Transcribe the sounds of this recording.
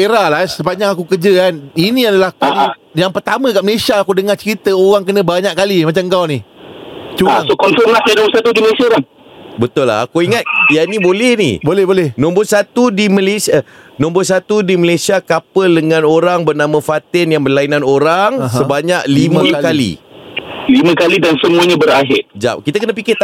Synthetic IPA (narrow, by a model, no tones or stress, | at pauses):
eɾalasəbaɲakakukərd͡ʒəkaninĩadalahkujaŋpərt̪amə̃kaʔməlesiaːkudəŋat͡ʃəɾit̪əoɣaŋkənə̃baɲaʔkalimat͡ʃamŋkawni | t͡ʃuaŋsokɔnfəmasanõbsat̪udiməesiɾaŋ | bət̪ʊlːa̰a̰kuiŋat̪̚janibolɛhnḭbolɛbolɛhnɔ̃mbʊrsat̪udiməlesanõmbʊrsat̪udiməlasiakapəldəŋãnoɾaŋbərnamə̃fat̪ɪnjaŋbərlainanoɾaŋɦsəbaɲak̚liməkalḭ | limə̃kalidansəmũaɲãbəɾaɦɪrd͡ʒa̰p̚kit̪akənəpikɪt̪